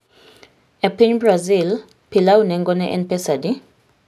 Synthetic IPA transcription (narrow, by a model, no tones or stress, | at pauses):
ɛpiɲbrazil | pʰilawunɛŋɡʼɔnɛʔɛ̰npɛsadi